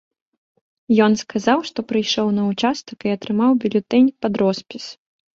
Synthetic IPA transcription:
jɔnskazawʂt̪ɔpɾɨjʂɔwnɐut͡ʂast̪ɐkiɐt̪ɾɨmawbʲilʲut̪ɛnʲpad̪ɾɔspʲis

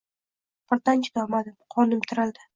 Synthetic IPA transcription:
pʰɪɾt̪ant͡ʃʰɪd̪ɒmad̪ɪmqʰɒnɪmt̪ʰɪɾɪld̪ɪ

